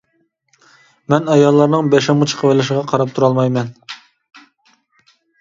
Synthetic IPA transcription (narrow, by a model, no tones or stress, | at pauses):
mɛnɑjɑlˠːɑɾnɨŋbɛʃɛmut͡ʃʰə̥qʰəwɪlɪʃɪʁɑqʰɑɾɑp̚t̪ʰuɾɑlˠmɑjmɛn